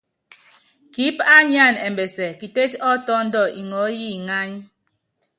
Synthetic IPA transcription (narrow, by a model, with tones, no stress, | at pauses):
ki˨˦pa˦ɲ˦a˦˨ne˨m˨be˨sɛ˨ki˨te˦t͡ʃɔ˦tɔ˦n̩˦dɔ˦˨ʔi˨ŋɔ˨˦ji˦˨ŋa˦ɲ˦